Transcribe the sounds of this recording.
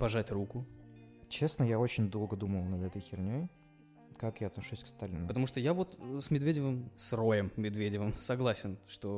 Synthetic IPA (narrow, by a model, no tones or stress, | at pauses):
pɐʐatʲrukʊt͡ɕe̞snəjao̞t͡ɕɪnʲd̪o̞lˠɡəd̪uməlˠnɐd̪ɛt̪əjxʲɪrnʲoj | kakjaɐt̪nɐʂusʲkst̪alʲɪnəpət̪ɐmuʂt̪ojavo̞t̪smʲɪd̪vʲedʲɪvəmsro̞jəmːʲɪd̪vʲedʲɪvəmsɐɡlˠasʲɪnʂt̪o